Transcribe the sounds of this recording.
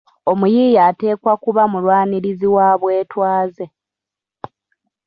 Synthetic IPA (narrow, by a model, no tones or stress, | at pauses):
o̞mujiːjaːte̞ːkwakuβamulwaːniɾiziwaːβwe̞ːtwaːze̞